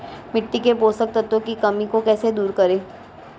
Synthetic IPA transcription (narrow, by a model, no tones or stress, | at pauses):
mɪʈːikepoːsək̚t̪ɐt̪õkikɐmikokɛːsed̪uːɾkɐɾẽː